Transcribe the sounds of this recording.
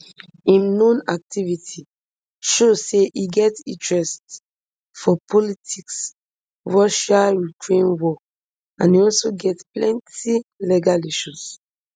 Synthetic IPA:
ĩmnõnak̚tivitʰi | ʃoseʔiɡɛtḭ̃ntɹɛst | fɔpʰɔlitʰiks | ɹɔʃaɹitʰɹẽnwɔ | ãniɔlsoɡɛtplɛ̃ntilɛɡaliʃus

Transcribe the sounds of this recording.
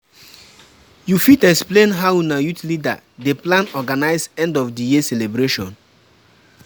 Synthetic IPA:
jufitɛksplẽnɦaʊunajutlida̰ | deplãnɔɡanaɪsɛ̃ndɔfdijiselebɾeʃɔ̰̃n

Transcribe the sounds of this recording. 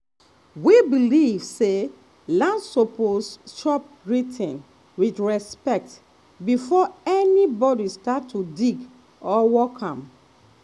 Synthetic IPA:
wibilivse | lãndsoposʃɔp̚ | ɹitʰĩn | widɹɛspɛk̚t | bifɔɛnibɔdistatʰːudiɡ | ɔwɔkʰãm

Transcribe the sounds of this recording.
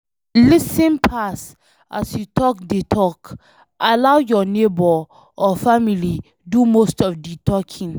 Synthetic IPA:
lisĩnpʰas | ʔa̰sjutʰɔk̚detʰɔk | ʔalawjɔnebɔ | ɔfamili | dumostɔfditʰɔkʰĩn

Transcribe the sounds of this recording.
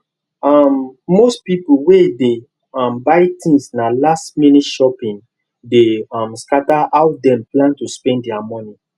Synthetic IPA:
ɔmːostpipuwede | ɔmbaɪtĩnsnalastmĩnitʃɔpĩn | deɔmskataʔaʊdɛ̃mplãntuspɛ̃ndɛamɔ̃ni

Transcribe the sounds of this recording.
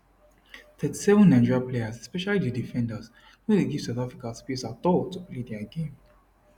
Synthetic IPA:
t̪ɛti̥sɛvə̃nːãd͡ʒɹapleəsɛspɛʃalididifɛ̃ndəz | wɛ̃deɡiv̥saʊθafɹikaspisatɔtupled̪ɛaɡẽm

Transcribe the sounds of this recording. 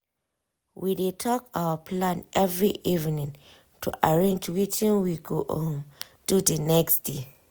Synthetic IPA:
widetʰɔkawəpʰlãnʔɛvɹiʔivinĩŋ | tʰṵʔaɹẽnd͡ʒwit͡ʃĩnwiɡoʔɔ̃n | d̥udənɛksd̥e

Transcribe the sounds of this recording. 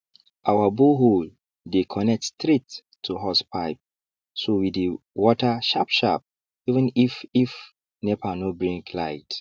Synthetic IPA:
ʔawaboɦol | dekʰɔnɛk̚tstɹit | tʰːuɦɔspʰaɪp̚ | sowidi | wɔtʰaʃapʃa̰p̚ | ivə̃nifif | nɛpʰanobɹĩŋklaɪt

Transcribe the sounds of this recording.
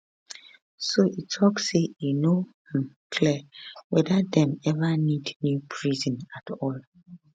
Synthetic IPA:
soʔitʰɔkːeuno | ɛ̃m | kʰliwɛdadɛ̃mɛvanidnjupʰɹizɔ̃natʰɔl

